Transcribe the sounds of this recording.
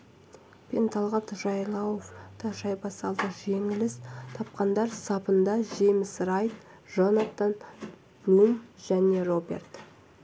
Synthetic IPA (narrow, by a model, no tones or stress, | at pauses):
pʲʰent̪ʰɑlˠʁɑt̪ʒɑjlˠɑwofd̪əʒɑjbɑsɑlˠd̪əʒe̞ŋɪlɪst̪ʰɑp̚qɑnd̪ɑɾsɑpənd̪ɑʒe̞mɪsrɑjt̪ | ʒonat̪an | b̥lumʒ̥æne̞robʲe̞̰rt̪